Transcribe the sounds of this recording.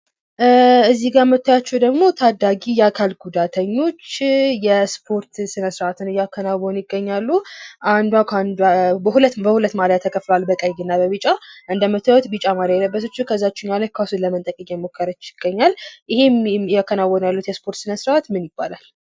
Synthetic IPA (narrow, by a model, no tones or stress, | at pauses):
ɨzːiɡamət̪ʰːajat͡ʃːɛwd̪əɡmo̞t̪ʰad̪aɡijɛakʰalɡud̪at̪ʰəɲːo̞t͡ʃːjɛspʰo̞ɾt̪sɨnəsɾəʔat̪ʰɨnjakʰːənawɔnjɪɡːəɲːalːuʔand̪wakand̪bəhulət̪bəhulət̪ːmaləat̪ʰːəkʰʼəflwalbəkʼəjɡɪnːabəβɨt͡ʃʼaʔɨnd̪əmət̪ʰːəwɔt̪bɨt͡ʃʼamaɾəjɛləbːəs̬ət͡ʃːɛkʰəzːat͡ʃːɛnjalajkʰasuləmənt̪ʼəkʼəkɛmokʰːəɾət͡ʃːɪɡ̥ːəɲːaljɪhe̞mjakʰːənawɔnalːut̪jɛspʰo̞ɾt̪sɨnəsɾat̪mɨnjɪbːa̰lal